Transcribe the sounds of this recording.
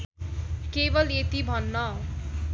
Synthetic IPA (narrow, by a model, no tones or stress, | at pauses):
kebʌlet̪ibʱʌnːʌ